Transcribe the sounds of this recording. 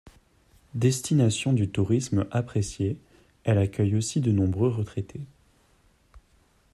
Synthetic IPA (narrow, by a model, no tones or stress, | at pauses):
d̪ɛst̪inasjɔ̃d̪yt̪uʁismapχesje | ɛlakʲœjosid̪ənɔ̃bʁøʁət̪χet̪ʰe